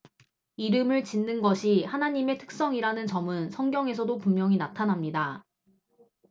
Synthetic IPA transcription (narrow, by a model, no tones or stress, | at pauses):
iɾɯmɯɭt͡ɕinːɯnɡʌɕʰihanaɲime̞tʰɯ̥k̚s͈ʌŋiɾanɯnt͡ɕʌmɯnsʰʌŋɡjʌŋe̞s̬ʰʌdopummjʌŋinatʰanamɲida